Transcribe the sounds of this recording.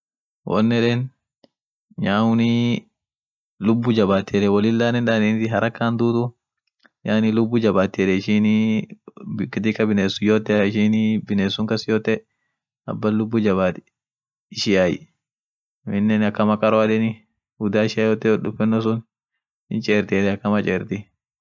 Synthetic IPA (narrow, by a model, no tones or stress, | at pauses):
wʔɔ̰nːɛᶑɛːn | ɲaːʊni | lʊbːʊd͡ʒɐbaːt̪ːɛᶑɛwɐlɪlːaːnɛnᶑ̪anɪnt̪ɪɦɐɾɐkːaːnd̪uːt̪ʊ | jaːnilʊbːʊd͡ʒɐbaːt̪ːɛᶑɛɪʃɪn | kɪt̪ɪkːɐbɪneːsːʊjoːt̪ːɛɪʃɪnbɪneːsːʊŋkɐsɪjoːt̪ːɛ | ɐ̰bːɐlʊbːʊd͡ʒɐbaːt̪ɪ̥ | ɪʃɪjaj | mɪnːɛnɐkːɐmɐkʼɐɾɔɐᶑɛnɪ | ɡʊd̪aːɪʃɪaːjoːt̪ːɛɗʊfɛnːɔs̬ʊn | ɪ̰nt͡ʃʼeːɾt̪eːd̪ɛɐkːɐmɐt͡ʃʼeːɾt̪ɪ